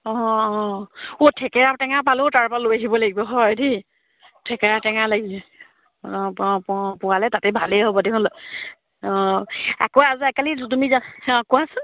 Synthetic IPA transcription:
ɔɔotʰɛkɛɹatɛŋapalʊtaɹpalojaɦibɔlaɡibɔɦɔjdi | tʰɛkɛɹatɛŋalaɡiɛ | ppʊwalɛtatɛbʱalɛɦobɔdɛkʰɔl | ɔ̃a̰koazuɛkalitumizakɔasʊ

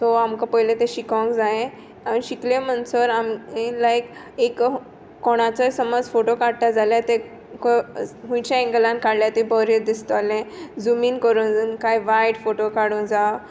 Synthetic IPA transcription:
toamkãpəjlẽt̪ẽɕikɔ̃ŋkd͡zaẽ | aniɕiklem̤ənsəɾamelaek | ek | kːoɽ̃at͡səsəmɔd͡zfoʈokaɽt̪ad͡zaljat̪e | kɦũjt͡ɕãẽŋɡlãnkaɽljat̪ibɔɾəɾd̪ist̪ɔalẽd͡zumiːnkəɾuːnnkajʋajɽfoʈokaɽuːnd͡zaw

